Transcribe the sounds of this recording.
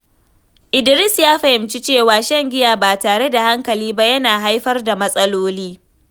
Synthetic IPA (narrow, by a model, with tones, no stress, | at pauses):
ʔɪ˨dɪ˨ɾɪ˦sjaː˦ɸɐ˨hɪ˨mt͡ʃi˦t͡ʃeː˦˨waː˨ʃɐ˦ŋɡʲɪ˦jaː˨baː˨taː˨ɽe˦da˨ha˦ŋkɐ˨liː˦ba˦jɐ˦naː˨ɦa˦jɸɐ˦rda˨mɐ˦sʼɐ˦loː˦liː˦